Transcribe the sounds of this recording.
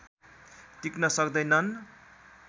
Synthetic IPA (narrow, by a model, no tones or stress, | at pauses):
tiknʌsʌkd̪ʌjnʌn